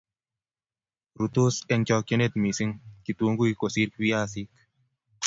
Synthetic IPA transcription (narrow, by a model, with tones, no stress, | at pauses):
ɾut̪usɛ˧ŋkɔ˧ke˦net̪mi˨siŋki˨t̪u˦ŋɡu˦iko˨siɾkwiaː˦sik